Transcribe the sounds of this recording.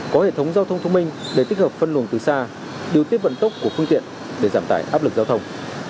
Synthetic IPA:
kɔ˨˦hḛ˧˨t̪ʰə˨˦wŋ͡mzaː˧t̪ʰə˧wŋ͡mt̪ʰə˧wŋ͡mï˧ŋ̟ɗe˧˩t̪i˦˥k̚həː˨˩p̚fə˧nlu˨˩ənt̪ɨ˨˩saː˧ | ɗi˨ət̪i˦˥əp̚və̰˧˨nt̪ə˦˥wk͡p̚ku˧˩əfɨ˧əŋt̪ḭ˧˨ən | ɗe˧˩zaː˧˩mt̪aː˧˩jʔaː˦˥p̚lɨ˨˩k̚zaː˧t̪ʰwŋ͡m

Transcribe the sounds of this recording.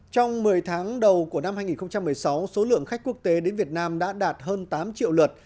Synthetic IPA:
t͡ɕɔ˧wŋ͡mmɨ˨˩əjt̪ʰaː˨˦ŋɗə˨˩wku˧˩əna˧mɦaː˧jŋi˨˩nxə˧ŋ͡mt͡ɕa˧mːɨ˨˩əjsa˨˦wso˨˦lɨ̰˧˨əŋxa˦˥k̟̚ku˦˥ək̚t̪e˨˦ɗe˨˦nvi˨˩ət̚naː˧mɗa̰ː˧˥ɗaː˨˩t̚həː˧nt̪aː˨˦mt͡ɕḭ˧˨wlə˨˩t̚

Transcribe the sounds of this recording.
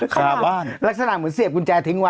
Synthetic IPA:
aː˧˩ɓaː˧˩nlaː˦˥k̚saː˧aː˧˩mɨ˨˦nsi˨˩ə˩p̚ku˧nt͡ɕaː˧˩t̪ʰi˨˧˦ŋwaː˧

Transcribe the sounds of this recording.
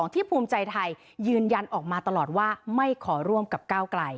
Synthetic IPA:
ɔː˩˦ŋt̪ʰiː˥˩pʰuː˧mt͡ɕa˧jt̪ʰa˧jː | ɯː˧nja˧nʔɔː˨˩k̚maː˧t̪a˧lɔː˨˩t̪̚waː˥˩ma˥˩jkʰɔː˩˦ɾu˥˩əmka˨˩p̚kaː˥˩wkla˧j

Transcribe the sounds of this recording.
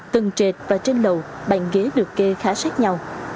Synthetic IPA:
t̪ɨ˨˩ŋt͡ɕe˨˩t̚vaː˨˩t͡ɕe˧nlə˨˩wɓa̰˧˨ŋɣe˨˦ɗɨ˨˩əkːe˧xaː˨˦saː˦˥k̚ɲa˧w

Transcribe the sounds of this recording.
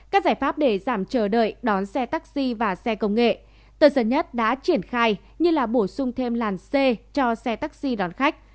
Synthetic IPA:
kaː˦˥k̚zaː˧˩jfaː˦˥p̚ɗe˧˩zaː˧˩mt͡ɕəː˧˩ɗə̰ː˧˨jɗɔ˨˦nsɛ˧t̪a˦˥k̚si˧vaː˨˩sɛ˧kə˧wŋ͡mŋḛ˧˨ | t̪əː˧˩zə˨˧˩nɲə˦˥t̚ɗa̰ː˧˥t͡ɕi˧˩ənxaː˧j | ɲɨ˧laː˨˩ɓo˧˩sʊ˧ŋ͡mt̪ʰe˧mlaː˨˩nse˧t͡ɕɔ˧sɛ˧t̪aː˦˥k̚si˧ɗɔ˨˦nxa˦˥k̚

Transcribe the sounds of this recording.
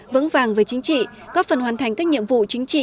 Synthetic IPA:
və̰˧˥ŋvaː˨˩ŋvəː˨˦jt͡ɕi˨˦ŋ̟t͡ɕḭ˧˨ | kɔ˨˦fə˨˩nhwaː˨˩nt̪ʰa˨˩ŋkaː˦˥k̚ɲḭ˧əmvṵ˧˨t͡ɕï˨˦ŋ̟t͡ɕḭ˧˨

